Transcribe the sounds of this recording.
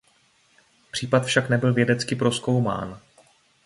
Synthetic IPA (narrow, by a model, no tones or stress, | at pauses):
pr̥iːpat̪fʃaknɛbɪlvjɛdɛt͡skɪpɾo̞sko̞wma̰ːn